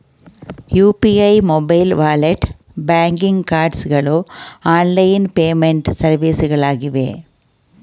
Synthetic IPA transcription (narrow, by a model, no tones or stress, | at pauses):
juːpiɐɪmɔbɐɪlʋaːlɐʈ | baːŋɡɪŋkaːɾɖsɣɐɭoːaːnlɐjnpeːmeɳʈsɐɾʋiːsɯɣɐɭaːɣɪʋḛː